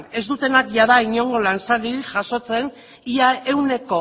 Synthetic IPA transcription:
ne̞zd̪ut̪e̞nakʝað̞aiɲo̞ŋɡo̞lansaɾiʝaso̞t͡se̞n | iae̞wne̞ko̞

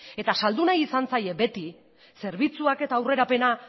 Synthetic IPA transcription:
e̞t̪asald̪unajisansaje̞be̞t̪i | se̞ɾβ̞it͡suake̞t̪aːwre̞ɾape̞na

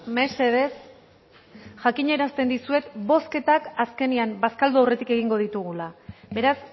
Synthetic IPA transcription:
me̞se̞ðe̞s | ʝakiɲe̞ɾast̪e̞nd̪isue̞t̪bo̞ske̞t̪akaske̞niambaskald̪uawre̞t̪ike̞ɣ̞iŋɡoð̞it̪uɣ̞ulabe̞ɾas

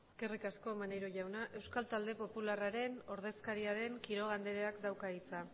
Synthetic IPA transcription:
eske̞rikasko̞manejɾoʝawnaʔe̞wskalt̪ald̪e̞po̞pularaɾe̞no̞ɾðe̞skaɾiaɾe̞ŋkiɾo̞ɣ̞and̪eɾeakd̪awkait͡sa

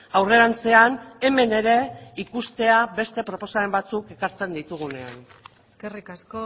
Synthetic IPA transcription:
awre̞ɾant͡se̞ane̞me̞ne̞ɾe̞ikust̪e̞abe̞st̪e̞pɾo̞po̞saembat͡suke̞kaɾt͡se̞nd̪it̪uɣ̞une̞an | eskerikaso

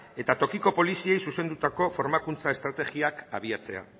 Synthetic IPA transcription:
e̞t̪at̪o̞kiko̞po̞lisie̞jsuse̞nd̪ut̪ako̞fo̞ɾmakunt͡saest̪ɾat̪eɣiakaβ̞iat͡se̞̰a̰

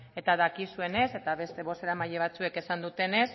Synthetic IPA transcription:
e̞t̪aðakisue̞ne̞se̞t̪aβe̞st̪e̞βo̞seɾamaʎeβ̞at͡sue̞ke̞sand̪ut̪e̞ne̞s

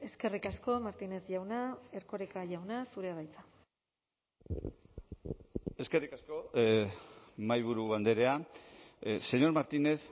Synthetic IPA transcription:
e̞ske̞rikasko̞maɾt̪ine̞zʝawnae̞ɾko̞ɾekaʝawnasuɾeaβajt͡sa | e̞ske̞rikasko̞ | majβ̞uɾuɣand̪e̞ɾe̞a | se̞ɲo̞ɾmaɾt̪ine̞s

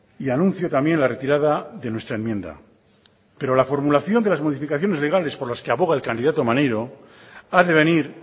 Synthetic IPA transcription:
ianũnθjo̞t̪amje̞nlare̞t̪iɾaðaðe̞nwe̞st̪ɾaenmjẽ̞nd̪a̰ | pe̞ɾo̞lafo̞ɾmulaθjo̞nd̪elazmo̞ð̞ifikaθjo̞ne̞zle̞ɣ̞ale̞spo̞ɾlaske̞aβo̞ɣ̞aelkand̪iðat̪o̞manejɾo̞aðe̞β̞e̞niɾ

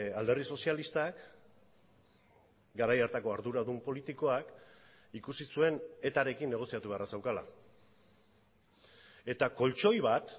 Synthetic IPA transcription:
ald̪e̞rðiso̞sialist̪ak | ɡaɾajaɾt̪ako̞aɾðuɾaðumpo̞lit̪iko̞ak | ikusisue̞ne̞t̪aɾe̞kinːe̞ɣ̞o̞siat̪uβearasewkala̰ | e̞t̪ako̞lt͡ʃo̞jβ̞at̪

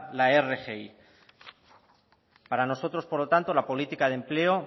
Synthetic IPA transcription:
laerexei | paɾano̞so̞t̪ɾo̞spo̞ɾlo̞t̪ant̪o̞lapo̞lit̪ikaðe̞mple̞o̞

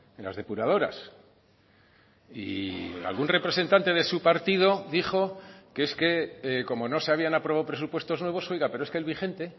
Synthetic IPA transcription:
enla̰zðe̞puɾað̞o̞ɾa̰s | ḭa̰lɣ̞unre̞pɾe̞se̞nt̪ant̪e̞ðe̞supaɾt̪iðo̞ðixo̞keeske̞ko̞mo̞no̞seaβianapɾo̞βawpɾe̞supwe̞st̪o̞znwe̞β̞o̞sejɣape̞ɾoeskelβ̞ixe̞nt̪e̞

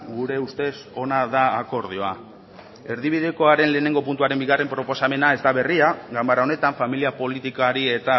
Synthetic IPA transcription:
ɡuɾe̞ust̪e̞so̞naðaːko̞ɾð̞io̞a̰ | e̞ɾðiβ̞iðeko̞aɾe̞nle̞ːne̞ŋɡo̞punt̪uaɾe̞mbiɣare̞mpɾo̞po̞same̞nae̞zd̪aβe̞riaɣambaɾaone̞t̪aɱfamiliapo̞lit̪ikaɾie̞t̪a

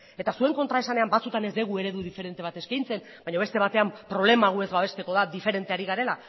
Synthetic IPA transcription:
e̞t̪asue̞ŋko̞nt̪ɾae̞sane̞ambat͡sut̪ane̞zd̪e̞ɣue̞ɾe̞ðuðife̞ɾe̞nt̪e̞β̞at̪e̞skajnt͡se̞n | baɲoe̞st̪e̞β̞at̪e̞ampɾo̞β̞le̞maɣ̞ue̞zβaβ̞e̞st̪e̞ko̞ðad̪ife̞ɾe̞nt̪eaɾiɣaɾe̞la

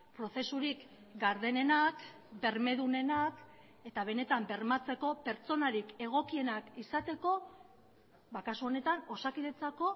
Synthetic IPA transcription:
pɾo̞θe̞suɾik | ɡaɾðe̞ne̞nak | be̞ɾme̞ðune̞nak | e̞t̪aβ̞e̞ne̞t̪ambe̞ɾmat͡se̞ko̞pe̞ɾt͡so̞naɾike̞ɣ̞o̞kie̞nakisat̪e̞ko̞ | βakasuo̞ne̞t̪ano̞sakiðe̞t͡sako̞

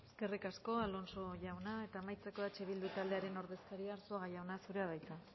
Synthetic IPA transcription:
e̞ske̞rikasko̞alo̞nsoʝawnae̞t̪aːmajt͡seko̞ðat͡ʃe̞β̞ild̪ut̪ald̪e̞aɾe̞no̞ɾðe̞skaɾiaːɾsoaɣajawnasuɾeaβajt̪a

